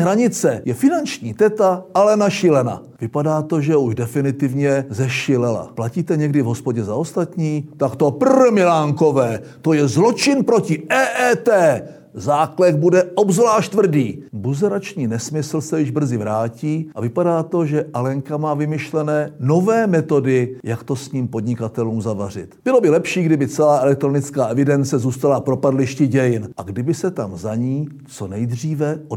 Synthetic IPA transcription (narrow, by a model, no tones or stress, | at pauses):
ɦɾaɲɪt͡sɛjɛfɪnant͡ʃɲiːt̪ɛt̪aalɛnaʃɪlɛna̰vɪpadaːt̪o̞ʒɛuʒdɛfɪnɪt̪ɪvɲɛzɛʃɪlɛla̰placiːt̪ɛɲɛɡdɪvɦo̞spo̞ɟɛzao̞st̪at̪ɲiːt̪akt̪o̞pr̩mɪlaːŋko̞vɛːt̪o̞jɛzlo̞t͡ʃɪnpɾo̞cɪʔɛːʔɛːt̪ɛː | zaːklɛkbudɛʔobzvlaːʃt̪vr̩diːbuzɛɾat͡ʃɲiːnɛsmɪsl̩sɛjɪʒbr̩zɪvɾaːciːʔavɪpadaːt̪o̞ʒɛʔalɛŋkamaːvɪmɪʃlɛnɛːno̞vɛːmɛt̪o̞dɪjakt̪o̞sɲiːmpo̞dɲɪkat̪ɛluːmzavar̝ɪ̰t̪b̥ɪlo̞bɪlɛpʃiːɡdɪbɪt͡sɛlaːʔɛlɛk̚t̪ɾo̞nɪt͡skaːʔɛvɪdɛnt͡sɛzuːst̪alapɾo̞padlɪʃcɪɟɛjɪnʔaɡdɪbɪsɛt̪amzaɲiː | t͡so̞nɛjd̪r̝iːvɛʔo